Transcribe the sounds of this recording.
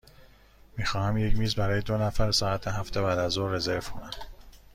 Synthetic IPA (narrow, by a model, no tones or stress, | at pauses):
miːxɒːhæmje̞cʰmiːzbæɾɒːjed̪o̞næfæɾsɒːæt̪ʰeɦæft̪ʰebæːd̪æzoːɾe̞zeɾfkʰonæm